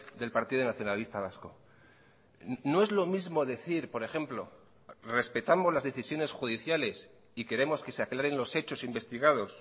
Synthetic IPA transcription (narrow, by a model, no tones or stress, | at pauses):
d̪e̞lpaɾt̪iðonaθjo̞nalist̪aβ̞asko̞ | no̞e̞zlo̞mizmo̞ðe̞θiɾpo̞ɾe̞xe̞mplo̞ | re̞spe̞t̪amo̞zlazðe̞θisjo̞ne̞sxuðiθjale̞s | ike̞ɾe̞mo̞ske̞seaklaɾe̞nlo̞se̞t͡ʃo̞simbe̞st̪iɣað̞o̞s